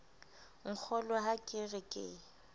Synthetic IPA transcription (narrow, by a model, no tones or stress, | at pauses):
ŋ̩k͡xʰɔlɔɦakʼɪrɪkʼɪ̰